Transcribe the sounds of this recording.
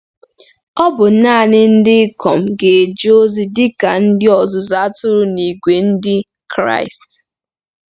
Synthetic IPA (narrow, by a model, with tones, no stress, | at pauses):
ɔ˦bʊ˨˦na˦a˨nɪ˦n̩˦dɪ˦kɔ˨m̩˨ɡe˨d͡ʒo˦zi˦dɪ˦ka˨n̩˦dɪ˦ɔ˨zʊ˨za˦tʊ˦ɾʊ˦ni˨ɡʷe˨n̩˦dɪ˦ | kɾa̰˦ɪ˨st